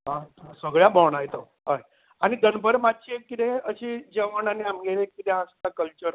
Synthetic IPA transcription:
ɦãsʋəɡɭjabɔɳajt̪o | ɦaj | añid̪ənbəɾmatːɕekːit̪ẽəɕid͡ʑəʋənaniamɡeɾekit̪ẽãst̪akəlt͡ɕəɾ

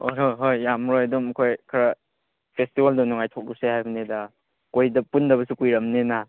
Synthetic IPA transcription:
ojɦojɦojːamɾojadumkʰojkʰɐɾɐ | pʰestibaldɐnuŋajtʰok̚dusehajbɐnedɐ | kojdɐpundɐbɐsukujɾɐmnena

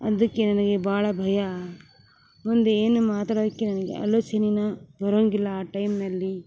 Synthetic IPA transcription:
ɐ̰d̪ɐkːe̞nɐnɐɡe̞bʱaːɭɐbʱɐjɐ | mund̪eeːnumaːt̪aːɽod̪ɐkːenɐnɐɡḛɐ̰loːt͡ʃɐninɐbɐɾoːŋɡilːɐːʈɐjmnɐlːi

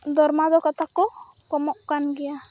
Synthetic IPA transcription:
d̪ɔɾmad̪ɔkat̪ʰakɔ | kɔmɔʔkanɡɛja

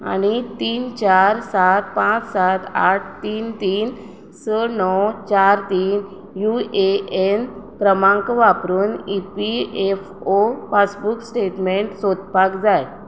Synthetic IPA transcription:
a̰ɽ̃it̪iːnt͡ɕaɾsat̪̚pãt͡ssat̪a̰ʈ̚ʰt̪iːnt̪iːn | sənɔt͡ɕaɾt̪iːn | jueʔenkɾəmãŋkʋapɾuːnipief | opasbuksʈeʈmeɳʈsod̪pakd͡zaj

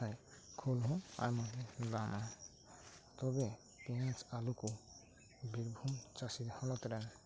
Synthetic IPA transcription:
ajkʰolɦɔ̃a̰jmɔɦedama | t̪ɔbe | piãt͡ʃaluku | biɾbʱumt͡ʃasid̪hɔnɔt̪ɾɛn

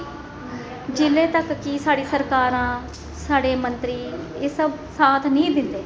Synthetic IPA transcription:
d͡ʒɪleːt̪əkːɪsaːɽiːsəɾkaːɾãː | saːɽeːmənt̪ɾiː | eːsəb | saːt̪ʰnĩːd̪ɪnd̪eː

